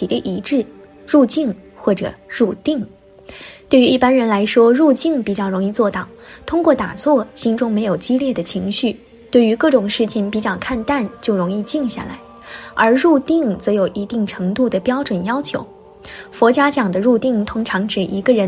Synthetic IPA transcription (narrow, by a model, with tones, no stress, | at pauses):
i˨˩d̪ə˦ʔi˧˥ʈ͡ʂɻ̩˥˩ | ɻu˥˧t͡ɕi˥˧ŋxwɔ˥˩ʈ͡ʂɤ̰˨˩ɻu˥˧t̪i˥˩ŋ | t̪we˥˩ɪy˧˥i˥˩pa˥nɻə˧˥nla˧˥ɪʂwɔ˥ɻu˥˧t͡ɕi˥˩ŋpi˨˩t͡ɕjɑ˥˩ʊɻʊ˧˥ŋi˥˧t͡swɔ˥˩t̪ɑ˨˩ʊt̪ʰʊ˥ŋkwɔ˥˩t̪a̰˨˩t͡swɔ˥˩ɕi˥nʈ͡ʂʊ˥ŋme˧˥ɪjo˨˩ʊt͡ɕi˥ljɛ˥˩d̪ə˩t͡ɕʰi˧˥ŋɕy˥˩ | t̪we˥˩ɪy˧˥kɤ˥˩ʈ͡ʂʊ˨˩ŋʂɻ̩˥˩t͡ɕʰi˩ŋpi˨˩t͡ɕjɑ˥˩ʊkʰa˥˧nt̪a˥˧nt͡ɕjo˥˩ʊɻʊ˧˥ŋi˥˧t͡ɕi˥˧ŋɕja̰˥˩la̰˧˥ɪ | ə˞˧˥ɻu˥˧t̪i˥˩ŋt͡sɤ˧˥jo˨˩ʊʔi˧˥t̪i˥˩ŋʈ͡ʂʰɤ˧˥ŋt̪u˥˩d̪ə˩pjɑ˥ʊʈ͡ʂwə˨˩njɑ˥ʊt͡ɕʰjo̰˧˥ʊ | fwɔ˧˥t͡ɕja˥t͡ɕjɑ˨˩ŋd̪ə˦ɻu˥˧t̪i˥˩ŋt̪ʰʊ˥ŋʈ͡ʂʰɑ˧˥ŋʈ͡ʂɻ̩˨˩ʔi˧˥ɡə˧ɻə˧˥n